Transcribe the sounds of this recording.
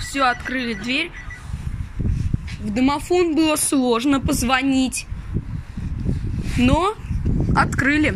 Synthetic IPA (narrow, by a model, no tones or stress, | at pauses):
fsʲɵɐt̪kɾɨlʲɪd̪vʲeɾʲ | vd̪əmɐfo̞nbɨlˠəslˠo̞ʐnəpəzvɐnʲitʲ | no | ɐt̪kɾɨlʲɪ